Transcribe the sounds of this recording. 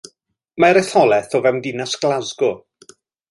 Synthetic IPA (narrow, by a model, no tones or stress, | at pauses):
maɾɛθɔlˠɛθɔvɛmdɪnasɡ̥lˠazɡʊ